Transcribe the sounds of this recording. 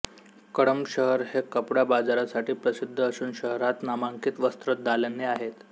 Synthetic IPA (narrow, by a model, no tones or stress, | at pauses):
kəɽəmɕəɦəɾɦekəpɽabad͡zaɾasaʈiːpɾəsid̪ʱːəːsuːnɕəɦɾat̪namaŋkiːt̪ʋəst̪ɾət̪̚d̪ʱalənːeaɦet̪